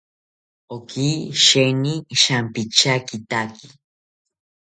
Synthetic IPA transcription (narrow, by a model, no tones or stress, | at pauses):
okiʃeniʃampit͡ʃakit̪aki̥